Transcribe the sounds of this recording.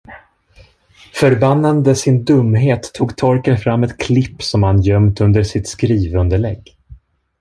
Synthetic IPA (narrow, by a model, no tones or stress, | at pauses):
fœɾbanːand̪əsɪnd̪ɵmːɦeːt̪ʰːuːɡt̪ʰɔɾkənfɾamːɛt̪kʰlɪpːsɔmhanjœmt̪ɵnd̪əʂɪt̪skɾiːvɵnd̪əɭɛɡː